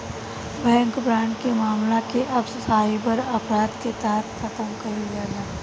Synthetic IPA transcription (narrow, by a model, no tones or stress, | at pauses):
bɛ̃ːŋkbɾãːɳɖkemaːmlakeʔɐbsɐsaːipɐɾɐpɾaːd̪ket̪aɦt̪kʰɐt̪əmkɐɾiɡaːɡaː